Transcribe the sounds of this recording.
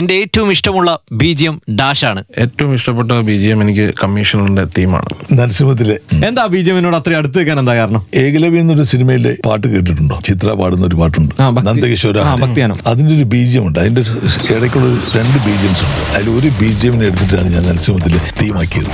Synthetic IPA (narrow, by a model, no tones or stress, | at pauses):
ende̞eːtːɐʋumiʂʈɐmuɭːɐbiːd͡ʑijɐmɖaːʂaːɳɨeːtːɐʋumiʂʈɐpːeʈ̬ːɐbiːd͡ʑijɐmenikʲːɨkɐmːiːʂɐnɐlinɖe̞t̪iːma̰ːɳɨ̰nɐlɐsimɐt̪̬ːilee̞nd̪aːbiːd͡ʑijɐminoːɽɐt̪rɐɐɽut̪ːɨek̬ʲːaːnend̪aːkaːɾɐɳume̞ːɣɐlɐʋijɐnːo̞ɾusinimɐjile̞pa̰ːrʈːɨkeːʈ̬ːiʈːuɳɖoːt͡ɕit̪raːpaːɽunːɐo̞ɾupaːʈːuɳɖɨaːbʱɐnɐnd̪ɐkːiɕoːɾaːaɐːbʱɐkt̪ijaːnɐ̰mɐðindeo̞ɾubiːd͡ʑijɐmuɳɖɨɐðindeeɽɐkʲːuɭːɐoɾuɾe̞ɳɖɨbiːd͡ʑijɐmsuɳɖɨɐilo̞ɾubiːd͡ʑijɐmineeɽut̪ːit̬ːɨaːɳɨɲaːnɐlɐsimɐt̪̬ːilet̪iːmaːkːijɐðɨ